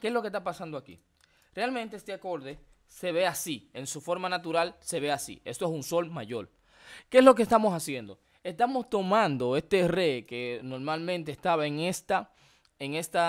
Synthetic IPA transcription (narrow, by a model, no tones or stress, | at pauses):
keeslo̞ke̞st̪apasand̪oakḭ | realmẽnt̪eest̪eako̞ɾðe̞ | se̞βe̞asie̞nsufo̞ɾmanat̪uɾalse̞βe̞asḭe̞st̪oesunso̞lmaʝo̞ɾ | ke̞eslo̞k̬est̪amo̞sasje̞nd̪o̞ | e̞st̪amo̞st̪o̞mãnd̪o̞e̞st̪e̞re̞ke̞no̞ɾmalmẽnt̪̬e̞ːst̪aβaeŋest̪a | eŋe̞st̪a